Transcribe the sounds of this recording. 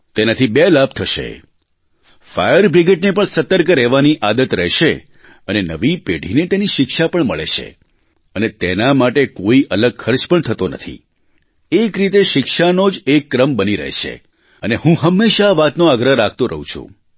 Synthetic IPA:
t̪enat̪ʰibelab̚t̪ʰəʃḛ | fa̰jəɾbɾiɡeʈnepəɳsət̪əɾkəɾɛʋaniʔad̪ət̪ɾɛɦʃe | ənenəʋipeɖʱinet̪eniʃɪkʃapəɳməɭḛʃʰḛ | ənet̪enamaʈekoiʔələɡ̚kʰəɾt͡ʃpəɳt̪ʰət̪onə̰t̪ʰḭ | ekɾit̪̬eʃɪkʃanod͡ʒekːɾəmbəniɾə̰ɦḛʃʰḛ | əneɦũɦəmːeʃaːʋat̪noaɡɾəɾak̚ʰt̪oɾə̰ɦṵ̃t͡ʃʰṵ̃

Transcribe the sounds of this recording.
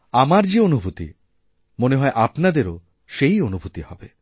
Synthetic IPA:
amaɾd͡ʑeonubʱut̪ḭ | moneɦɔeʔapnad̪eɾo | ʃejonubʱut̪ihɔbe

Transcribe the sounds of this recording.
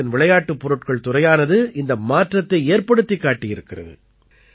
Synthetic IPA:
ɪnʋɪɭɐjaːʈːɯpːɔɾɯʈkɐɭt̪ʊrɐjaːnɐðɯɪnd̪ɐmaːʈrɐt̪ːɐɪeːɾpɐɽɯt̪ːɪkːaːʈːɪjɪɾɯkːɪrɐ̰ðɯ̰

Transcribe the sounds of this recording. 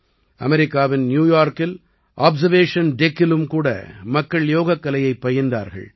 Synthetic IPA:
ʔɐmɛɾɪkːaːʋɪnnjuːjaːɾkɪl | ʔaːbzɐɾʋeːʂɐnɖɛkːɪlɯmkuːɽɐ̰mɐkːɐɭjoːɣɐkːɐlɐjɐɪpːɐjɐnd̪a̰ːɾɣɐ̰ɭ

